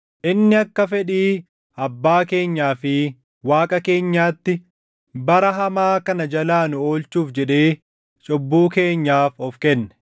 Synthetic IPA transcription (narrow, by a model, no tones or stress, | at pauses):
ʔɪnːɪɐkːɐfɛᶑiː | ʔɐbːaːke̞ːɲːaːfɪ | waːkʼɐke̞ːɲːaːt̪ːɪ | bɐɾɐɦɐmaːkɐnɐd͡ʒɐlaːnʊo̞ːlt͡ʃuːfd͡ʒɛᶑeː | t͡ʃʼɔbːuːke̞ːɲːaːfɔfkɛnːɛ̥